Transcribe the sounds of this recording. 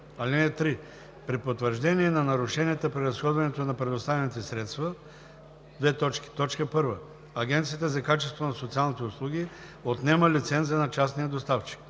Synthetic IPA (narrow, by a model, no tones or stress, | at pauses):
ɐlinɛt̪ɾi | pɾipot̪vəɾʒd̪ɛniɛnɐnɐɾʊʃɛniɛt̪əpɾiɾɐsxɔd̪vɐnɛt̪onɐpɾɛd̪ost̪avʲɛnit̪ɛsɾɛt̪st̪və | d̪vɛt̪ɔt͡ʃki̥t̪ɔt͡ʃkəpɤɾvə | ɐɡʲɛnt̪siət̪əzɐkat͡ʃɛst̪vonɐsot̪sialˠnit̪ɛʊslˠuɡ̟ʲi | ot̪nɛməlit̪sɛnt̪ziənɐt͡ʃasnijəd̪ost̪aft͡ʃi̥k